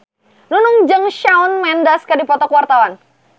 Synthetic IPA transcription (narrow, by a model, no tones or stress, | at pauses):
nunʊŋd͡ʒəŋʃaunmɛndaskadipɔt̪ɔkwart̪awan